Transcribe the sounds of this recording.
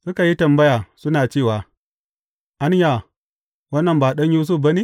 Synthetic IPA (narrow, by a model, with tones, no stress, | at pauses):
su˦ka˨ji˦tɐ˨mbɐ˦ja˨su˦naː˨t͡ʃeː˦˨waː˨ | ʔa˦n˦ja˨ | wɐ˦nːɐ˨mbaː˨ɗɐ˦n˦ju˦s̬u˦p̚bɐ˦ni˦